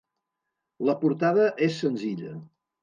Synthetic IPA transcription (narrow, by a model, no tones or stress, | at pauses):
ləpuɾt̪aðəʔesːənziʎə̰